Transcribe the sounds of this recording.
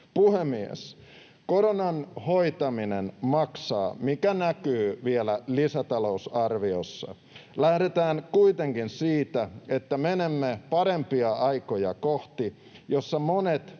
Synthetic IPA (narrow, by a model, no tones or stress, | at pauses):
puhemiḛs | ko̞ɾonɑnhoit̪ɑminenmɑksɑ̰ːmikænækyːʋielælisæt̪ɑlousɑrʋiosːɑ̰ | læhɾet̪æːnkuit̪eŋkinsiːt̪æet̪ːæmenemːepɑɾempiɑɑikojɑ̰koht̪i | josːɑmonet̪